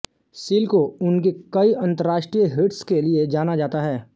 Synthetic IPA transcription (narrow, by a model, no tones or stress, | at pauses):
siːlkoʊnkekɐiʔɐ̃nt̪əɾaːʃʈɾiəɦɪʈskelied͡ʒaːnad͡ʒaːt̪aɦɛː